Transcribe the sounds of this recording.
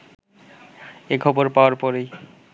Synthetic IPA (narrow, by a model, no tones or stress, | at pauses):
ekʰɔboɾpaoaɾpɔɾej